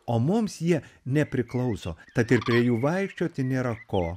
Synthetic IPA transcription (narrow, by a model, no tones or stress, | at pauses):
oːmʊmsjiɛnʲɛpʲɾʲɪklˠɐʊsoːt̪ɐt̪ɪrpʲɾʲiɛjuːʋɐɪkʃʲt͡ʃʲoːt̪ʲɐɪnʲeːɾɐkoː